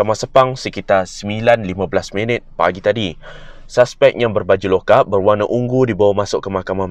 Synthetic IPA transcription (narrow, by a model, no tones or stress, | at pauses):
amãsəpaŋsəkit̪asəmilanlimãblasmə̃nət̪̚pa̰ɡit̪adisaspɛk̚jaŋbərbad͡ʒulokabərwanaʔuŋɡudibawamãsʊʔkːəmahkamã